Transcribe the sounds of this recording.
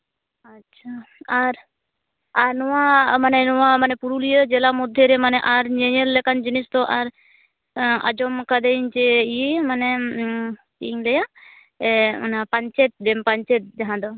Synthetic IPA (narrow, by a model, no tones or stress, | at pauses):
atːt͡ʃʰaaɾ | aɾnɔwamanɛnɔwamanɛpuɾulijəd͡ʒɛlamɔd̪ʱjeɾɛmanɛʔaɾɲeɲəllɛkand͡ʒinist̪ɔʔaɾ | a̰d͡ʒɔmkad̪eiɲt͡ʃɛimanɛ | iɲlɛja | napaɲt͡ʃɛt̪̚d͡ʒɛmpaɲt͡ʃɛt̪̚d͡ʒaɦãd̪ɔ